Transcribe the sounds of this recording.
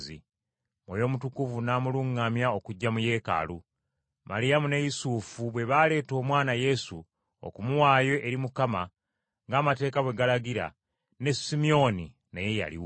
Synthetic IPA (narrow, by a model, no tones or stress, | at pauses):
zḭ | mwojo̞ːmutukuvunaːmuluŋːamjao̞kuɟːamuje̞ːka̰lu | maɾijamune̞jisuːfuβwe̞βaːle̞ːto̞ːmwaːnaje̞su | o̰kumuwaːje̞ʔːɾimukama | ŋɡaːmate̞ːkawe̞ɡalaɡiɾa̰ | ne̞simio̞ni | najeja̰lḭw